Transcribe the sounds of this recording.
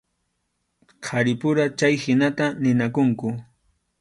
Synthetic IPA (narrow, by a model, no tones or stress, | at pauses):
qʰɑɾɪpʊɾat͡ʃajhɪnat̪anɪnakʊŋkʊ